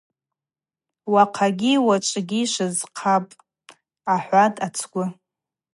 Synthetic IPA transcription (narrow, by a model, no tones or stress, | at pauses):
waqʰaɡʲiwat͡ʃʷʼɡʲiʃʷɨzqʰapʼ | aħʷatʼat͡sʰɡʷʊ